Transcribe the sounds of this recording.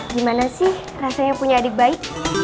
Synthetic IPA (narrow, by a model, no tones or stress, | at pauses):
dimanasɪh | rasaɲaŋpuɲaːdɪk̚baɪk̚